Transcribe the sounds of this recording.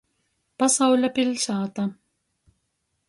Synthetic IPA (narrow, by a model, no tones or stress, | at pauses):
b̥ɑsˤɑwlabɪlʃɑːt̪ˤɑ